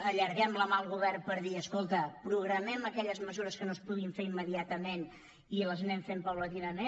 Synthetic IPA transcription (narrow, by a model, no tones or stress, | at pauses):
əʎəɾɣɛmləmalˠɣuβɛrpəɾðiəskolˠt̪əpɾuɣ̞ɾəmɛməkɛʎəzməzuɾəskənospuɣiɱfeɾimːəðiat̪əmen | iləznɛɱfempəwlət̪iβəme